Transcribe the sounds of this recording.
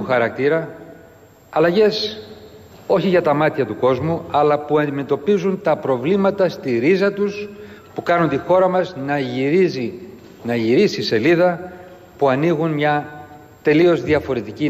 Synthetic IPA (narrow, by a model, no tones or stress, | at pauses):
uxɐɾɐk̚t̪iɾɐ | ɐlɐʝe̞s | o̞çiʝɐt̪ɐmɐt̪çɐt̪uko̞zmuɐlɐpuɐnd̪ime̞t̪o̞pizunt̪ɐpɾo̞vlimɐt̪ɐst̪iɾizɐt̪us | pukɐnunt̪ixo̞ɾɐmɐznɐiɾizi | nɐʝiɾisiːse̞liðɐ | puɐniɣunmɲɐ | t̪e̞lio̞zðiɐfo̞ɾe̞t̪ici